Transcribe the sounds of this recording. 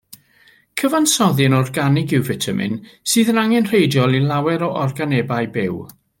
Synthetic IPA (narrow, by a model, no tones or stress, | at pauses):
kʰəvansɔðɨnɔrɡanɪɡɪwvɪtʰamɨ̰nsɨːðənaŋɛnr̥ejdjɔlˠilˠawɛɾɔʔɔrɡanɛbaɨbɪw